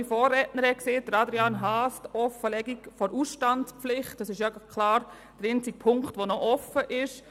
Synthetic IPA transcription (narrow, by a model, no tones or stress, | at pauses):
ifɔːrɛtnəɾhɛt̚kseːd̥əɾɑdɾianɦaːstɔfəlɛɡikfɔɾusʃtantspflɪχtɑsɪʃjɑɡkʰlɑːɾ | dəɾent͡sɪk̚pʰʊŋktʋonɔʔɔfəʔɪʃ